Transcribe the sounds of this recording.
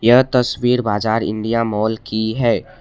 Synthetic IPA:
jɐɦt̪ɐswiːɾbaːd͡ʒaːɾɪ̰̃ɳɖijamɔːlkiɦɛː

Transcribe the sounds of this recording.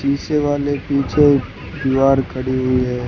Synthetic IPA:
ʃiːseʋaːlepiːt͡ʃʰe | dɪʋaːɾkʰəɽiɦʊiɦɛː

